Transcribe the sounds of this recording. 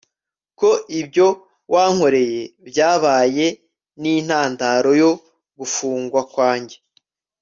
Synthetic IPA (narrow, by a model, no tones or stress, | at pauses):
ko̞ʔibɟo̞ | wʔaŋ̥ho̞ɾe̞je̞bɟaːβaːje̞ | niːn̥haːndaɾo̞jo | ɡufuːŋɡwakwaːɲɟe̞